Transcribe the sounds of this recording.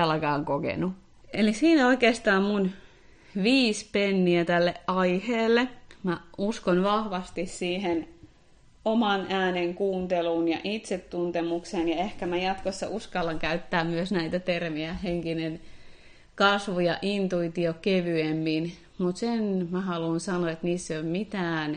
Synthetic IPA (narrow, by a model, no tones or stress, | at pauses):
ɑlɑkɑːŋkokḛnu | elisiːnæoikeːst̪ɑːmmun | ʋiːspenːiæt̪ælːeʔɑiheːlːemæuskonʋɑhʋɑst̪issiːhen | omɑnʔæːneŋkuːnt̪eluːnjɑ̰ʔit̪set̪ːunt̪emuksenjɑehkæmæjɑt̪kosːɑ̰ʔuskɑlːɑŋkæyt̪ːæːmmyøsnæit̪æt̪ermiæheŋkinen | kɑsʋujɑʔint̪uit̪iokeʋyemːin | mut̪senmæhɑluːnsɑnoet̪niːsːeommit̪æːn